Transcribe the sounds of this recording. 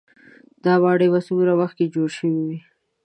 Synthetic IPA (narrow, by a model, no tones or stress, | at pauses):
d̪ɑwɑɽəjbasumɾawaxt̪̚ked͡ʒoɽʃəwiwi